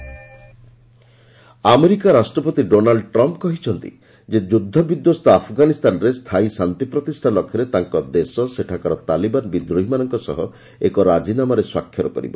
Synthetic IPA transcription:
ameɾikaɾasʈɾɔpɔt̪iɖonaɭɖʈɾɔmp̚kɔɦit͡ʃʰɔnt̪ḭ | d͡ʒed͡ʒud̪ʱːɔbid̪jɔst̪ɔapʰɔɡanist̪anɔɾest̪ʰaisant̪ipɾɔt̪isʈʰanlɔkʰjɔɾet̪aŋkɔd̪esɔseʈʰakaɾɔt̪alibanbid̪ɾuɦimanɔŋkɔsɔ̰ɦɔ | ekɔɾad͡ʒinamaɾeswa̰kʰːjɔɾupɔɾḭbɔ

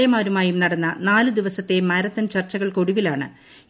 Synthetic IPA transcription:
jɐmaːɾumaːjumnɐɽɐnːɐnaːlɨd̪iʋɐsɐt̪ːe̞mɐɾɐt̪ːɐnt͡ɕɐrt͡ɕːɐɣɐɭkoɽuʋilaːɳɨ

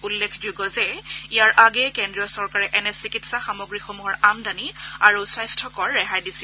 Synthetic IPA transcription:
ulːekʰd͡ʒuɡɔzɛijaɹʔaɡɛkɛndɹijɔsɔɹkaɹɛʔɛnɛsikitsaxamoɡɹixomuɦɔɹamdaniaɹusajstʰɔkɔɹːɛɦajdisi

